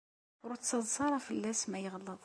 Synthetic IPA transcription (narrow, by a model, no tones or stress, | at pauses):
ʊɾʊt͡sːɑðˤsɑɾˤɑfəlːæsmæjəʁəlːəðˤ